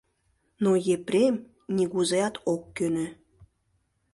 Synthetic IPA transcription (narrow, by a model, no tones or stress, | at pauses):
nojeprʲem | nʲiɣuzejɑt̪okːønø